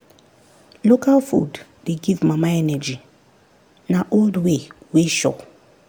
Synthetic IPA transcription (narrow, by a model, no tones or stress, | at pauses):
lokalfṵd | deɡivmamaɛnɛd͡ʒi | naʔoldweweʃɔ̰